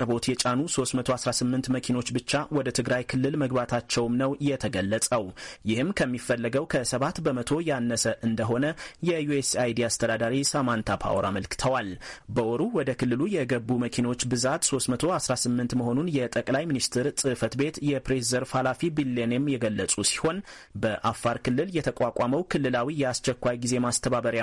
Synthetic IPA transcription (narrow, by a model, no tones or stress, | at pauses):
ɾbo̞t̪jɛt͡ʃʼanuso̞st̪mət̪ʰo̞asɾasɨmːɨnt̪məkʰino̞t͡ʃːbɨt͡ʃːawɔd̪ət̪ʰɨɡɾajkʰɨlːɨlməɡbat̪ʰat͡ʃːɛwmnəwjɛt̪ʰəɡəlːəsʼəwjɪhɨmkʰəmːifːəlːəɡəwkʰəsəβat̪bəmət̪ʰo̞janːəsəʔɨnd̪əɦo̞nəjɛjuesajd̪iast̪ʰəd̪ad̪aɾisamant̪ʰapʰa̰woɾa̰məlkɨ̥t̪ʰəwalbəʔɔɾuwɔd̪əkʰɨlːɨlujɛɡəbuməkʰino̞t͡ʃːbɨzat̪so̞st̪mət̪ʰo̞asɾasɨmːɨnt̪məɦo̞nunjɛt̪ʼəkʼlajminist̪ʰɨɾsʼɨfət̪be̞t̪jɛpɾeszəɾfalafibilːenemjɛɡəlːəsʼusi̥ho̞n | bəʔafːaɾkɨlːɨljɛt̪ʰəkʷʼakʷʼaməwkʰɨlːɨlawijɛast͡ʃɛkʷːajɡize̞mast̪ʰəβaβəɾa